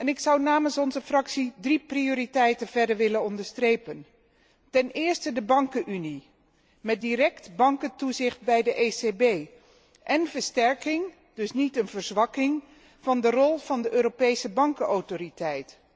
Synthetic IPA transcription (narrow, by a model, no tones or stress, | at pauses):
ɛnɪksʌwnaːmənsɔnzəfrɑksidriprioːɾitɛjtənv̥ɛɹdəɹʋɪlənɔndəɹstrejpən | tɛnɪːɹstədəbɑŋkənʔyni | mɛt̚dirɛktbɑŋkətuzɪχt̚bɛjdəʔesebej | ʔɛnvəɹstɛɹkɪŋ | d̥ɵsnitənvəɹzʋɑkɪŋ | v̥ɑndərɔlˠvɑndəʔøːɾopejsəbɑŋkəowtoritɛjt